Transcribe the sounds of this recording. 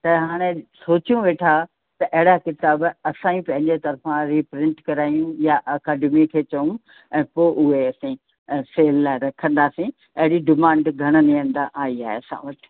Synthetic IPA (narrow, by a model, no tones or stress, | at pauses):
t̪ɐɦaːɽ̃esoːt͡ɕijũʋeːʈʰa | t̪ɐʔɐɦɪɽakɪt̪aːbɐsãːĩpɐ̃ɦɪ̃ɲd͡ʑet̪ɐɾfãɾiːpɾɪ̃ɳʈkɐɾaːijũjaʔɐkaːɖɪmikʰeːt͡ɕɐũ | ɛ̃ːpoːʔʊɦeɐsĩ | seːlːaːɪɾɐkʰə̃nd̪aːsĩ | ɐɦɪɽiɖɪmãːɳɖɡʱɐɽ̃əniə̃nd̪aʔaːiaːɦḛɐsã̰ʋɐʈʰ